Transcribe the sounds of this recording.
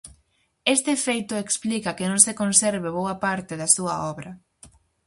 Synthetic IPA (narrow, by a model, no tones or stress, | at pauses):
est̪efejt̪ʊeksplikɐkenõŋsekonsɛɾβeβowɐpaɾt̪ɪðɐsuɐ̰ɔβɾɐ